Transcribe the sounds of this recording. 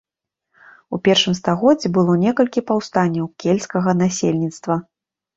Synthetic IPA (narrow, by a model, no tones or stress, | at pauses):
upʲɛrʂɨmst̪aɣɔd͡zʲːɛbɨlˠɔnʲɛkɐlʲkʲipawst̪anʲːɐwkʲelʲskɐɣɐnasʲelʲnʲit̪st̪vɐ